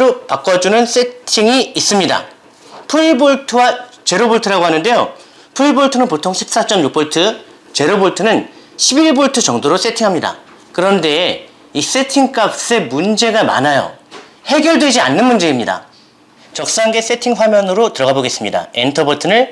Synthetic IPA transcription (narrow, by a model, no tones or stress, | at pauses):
ɾopak͈ʌd͡ʑunɯns͈e̞ttʰiŋiis͈ɯmɲida̰ | pʰuiboɭtʰɯwat͡ɕe̞ɾoboɭtʰɯɾaɡoɦanɯnde̞jo̰ | pʰuiboɭtʰɯnɯnpotʰoŋɕʰi̥p̚s͈at͡ɕ͈ʌmjuk̚p͈ʌɭtʰɯ | t͡ɕe̞ɾoboɭtʰɯnɯn | ɕʰibiɭboɭtʰɯt͡ɕʌŋdoɾos͈etʰiŋɦamɲida̰ | kɯɾʌnde̞ | is͈e̞tʰiŋk͈ak̚s͈e̞mund͡ʑe̞ɡama̰najo̰ | he̞ɡjʌɭdwe̞d͡ʑia̰nːɯnmund͡ʑe̞imɲida̰ | t͡ɕʌk̚s͈aŋɡe̞s͈e̞tʰiŋɸwamjʌnɯɾotɯɾʌɡaboɡe̞s͈ɯmɲida̰entʰʌbʌɭtʰɯnɯɭ